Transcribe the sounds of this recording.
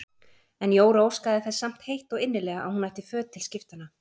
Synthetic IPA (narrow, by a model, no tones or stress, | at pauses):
ɛnjoːwɾoːwskaðɪθɛsam̥t̪hejht̪ɔɣɪnːɪlɛːɣaʔa̰whunvajht̪ɪfœːt̪ʰːɪlscɪft̪anːa